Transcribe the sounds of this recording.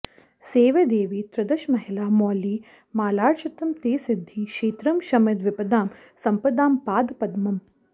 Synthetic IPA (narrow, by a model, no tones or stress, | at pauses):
seːʋed̪eːʋiːt̪ɾɐd̪ɐʃmɐɦɪlaːmɔːliː | maːlaːɾʃɐt̪ɐmt̪eːsɪd̪ʱːiːʃeːt̪ɾɐmʃɐmɐd̪ʋɪpɐd̪aːm | sɐmpɐd̪aːmpaːd̪pɐd̪mɐm